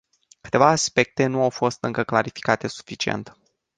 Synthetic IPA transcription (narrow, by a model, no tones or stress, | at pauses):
kɨ̥t̪e̞vaːspe̞k̚t̪e̞nuawfo̞st̪ɨŋkəklaɾifi̥kat̪e̞su̥fit͡ʃie̞̰nt̪